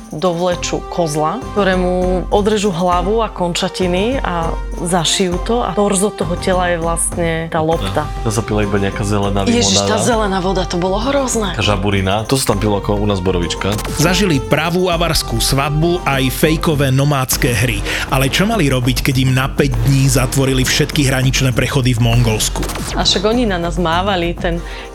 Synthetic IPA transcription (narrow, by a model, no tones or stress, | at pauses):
d̪ɔʋlɛt͡ʃukʰɔzlakt̪ɔɾɛːmuʔɔd̪ɾɛʒuːɦlaʋuakɔnt͡ʃacinia̰ | zaʃijuːt̪ɔa̰ɔɾzɔt̪ɔɦɔcɛlajɛʋlast̪ɲɛt̪aːlɔpt̪a | t̪asapilaibaɲɛakaːzɛlɛnajɛʒiʃat̪aːzɛlɛnaːʋɔd̪at̪ɔbɔlɔɦɾɔznɛkaʒa̰buɾinat̪ɔsḁt̪ampilˠɔakɔunaːzbɔɾɔʋit͡ʃka | zaʒilipɾaʋuːaʋaɾskuːsʋad̪̚buʔajfɛjkɔʋɛːnɔmaːt͡skɛːɦɾi | ʔalɛt͡ʃɔmaliɾɔbickɛɟimnapɛɟd̪ɲiːzat̪ʋɔɾilifʃɛt̪kiɦɾaɲit͡ʃnɛːpɾɛxɔd̪ivmɔŋɡɔlsku | aʃaɡɔɲinanazmaːʋalit̪ɛn